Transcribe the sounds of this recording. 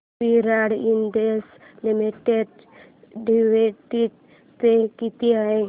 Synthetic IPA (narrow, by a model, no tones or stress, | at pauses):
piɾaɽind̪es | limiʈeɖ | ɖiʋeʈi | tekit̪iaẽ